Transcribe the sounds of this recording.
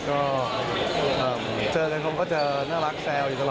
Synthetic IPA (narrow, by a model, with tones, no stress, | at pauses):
kɔː˥˩ | ʔəː˧˩mt͡ɕɤː˧ka˧kʰo˧mkɔː˥˩t͡ɕa˨˩naː˥˩la˦˥k̚sɛː˧wju˨˩˧